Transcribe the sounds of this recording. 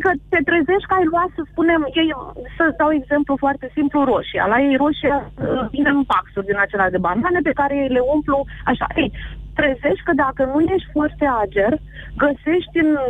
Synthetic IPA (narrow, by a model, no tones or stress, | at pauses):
ikət̪e̞t̪ɾeze̞ʃʲkəajluat̪səspune̞mje̞jsəd̪awe̞ɡze̞mplufoart̪e̞simpluɾo̞ʃia̰laje̞jɾo̞ʃiavinempaksurʲd̪inat͡ʃe̞lad̪e̞bananepe̞kaɾe̞je̞jle̞umpluaʃa̰ʔejt̪ɾeze̞ʃʲkəd̪akənuje̞ʃt̪ʲfoart̪e̞ad͡ʒe̞r | ɡəse̞ʃt̪ʲɨn